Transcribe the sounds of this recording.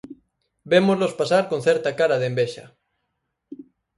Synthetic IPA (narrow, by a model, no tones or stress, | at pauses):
bemozlospasaɾkonθɛɾt̪akaɾaðembeʃɐ̰